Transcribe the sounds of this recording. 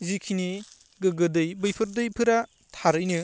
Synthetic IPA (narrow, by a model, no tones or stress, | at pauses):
zikʰini | ɡɯɡɯdɯjbɯjpʰɯɾdɯjpʰɯɾa | tʰaɾɯjnɯ